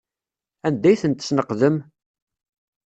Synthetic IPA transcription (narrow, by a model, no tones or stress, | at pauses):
ænd̪æjθənt̪ə̥snəqðəm